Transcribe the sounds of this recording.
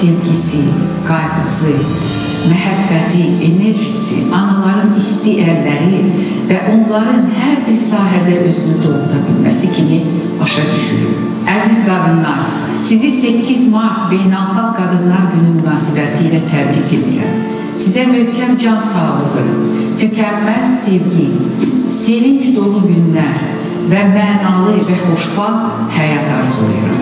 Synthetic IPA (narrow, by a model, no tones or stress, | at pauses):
sevɟisi | ɡ̥ɑjɣɯsɯ | mæɦæbːæt̪ʰie̞ne̞ɾʒisḭʔɑnɑlˠɑɾɯnist̪iʔæɾlæɾi | væʔo̞nlˠɑɾɯnɦæɾbiɾsɑːɦæd̪æʔø̞zynyd̪o̞lud̪ɑbḭlmæ̰sicʰimi | b̥ɑʃɑd̪yʃy̰ɾy̰ɾ | æzizɡɑd̪ɯnlˠɑɾ | sizisecizmɑɾt̪be̞jnælˠχɑɡ̚ɡɑd̪ɯnlˠɑɾɟynymynɑːsibæt̪ʰiːlæt̪ʰæb̪ɾicʰe̞d̪ḭɾæ̰m | sizæmøhcʰæmd͡ʒɑnsɑːlˠɯlɯ | t̪ʰycʰæmːæzse̞vɡise̞viɲd͡ʒd̪o̞lˠuɟynlæɾ | væmænɑlˠɯvæho̞ʃbɑ | hæjɑt̪ʰɑ̰ɾzo̰ṵɾɑ̰m